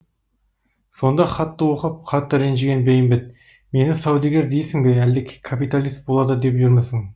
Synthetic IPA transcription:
so̞nd̪ɑχɑt̪ːəwo̞qəp̚qʰɑt̪ːəɾenʒeɡʲenbejɪmbɪt̪̚ | me̞nɪsɑwd̪iɡʲeɾd̪ejsɪŋbeæld̪ɪkʲʰe̥kʰːapijt̪alʲijst̪̚bolˠɑd̪əd̪e̞pʒʊɾməsɪŋ

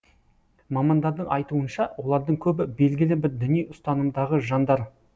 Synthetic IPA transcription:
mɑmɑnd̪ɑɾd̪əɴʔɑjt̪uənʃɑwo̞lˠɑɾd̪əɴkʲʰɵbɪbe̞lɡʲɪlɪbɪɾd̪ʏnijʊst̪ɑnəmd̪ɑʁəʒɑnd̪ɑɾ

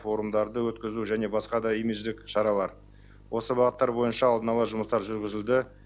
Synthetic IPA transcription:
fo̞ɾumd̪ɑɾd̪əwɵt̪kʲɪzuʒæne̞bɑsqɑd̪ɑejmezd̪ɪkʃɑɾɑlˠɑɾ | wo̞səbɑʁət̪ːɑɾbo̞jənʃɑːlˠd̪ənɑlˠəʒʊməst̪ɑɾʒʏɾɡʲɪzɪld̪ɪ

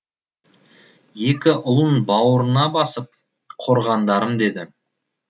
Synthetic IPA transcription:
je̞kʲɪʔʊlˠənbɑwəɾənɑbɑsəp̚ | qʰo̞ɾʁɑnd̪ɑɾəmd̪e̞d̪ɪ

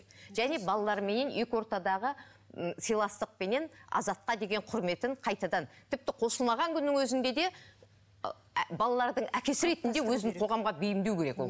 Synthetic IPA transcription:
ʒ̥æne̞bɑlˠɑlˠɑɾme̞ne̞nje̞kʲo̞ɾt̪ɑd̪ɑʁə | sijlˠɑst̪əq̚pe̞ne̞nɑ̰zɑt̪̚qɑd̪e̞ɡʲe̞ɴqʰʊɾme̞t̪ɪɴqʰɑjt̪ɑd̪ɑnt̪ʰɪp̚t̪ɪqʰo̞səlˠmɑʁɑŋkʲʰʏnːɪŋwɵzɪnd̪e̞d̪e̞ | bɑlˠɑlˠɑɾd̪əɴækʲe̞sɪɾe̞t̪ɪnd̪ewɵzɴqʰo̞ʁɑmʁɑbejɪmd̪ewkʲʰe̞ɾe̞kwo̰

